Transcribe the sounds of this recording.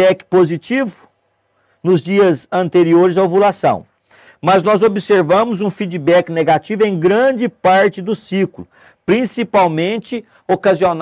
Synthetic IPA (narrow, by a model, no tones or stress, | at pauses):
ɛkɪ̥pozit͡ʃivʊ | nʊzd͡ʒiɐzɐ̃nt̪eɾioɾɪzawvulasɐ̰̃w̃ | mɐznɔzobɪseɾvɐ̃mʊzũfid͡ʒibɛkɪneɡat͡ʃivʊẽj̃ɡɾɐ̃d͡ʒɪpaɾt͡ʃɪd̪ʊsiklʊ | pɾĩsipawmẽnt͡ʃɪ | okazion